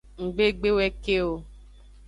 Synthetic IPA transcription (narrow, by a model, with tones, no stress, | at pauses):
ŋ̩˨ɡ͡be˦ɡ͡be˦wɛ˦ke˦o˨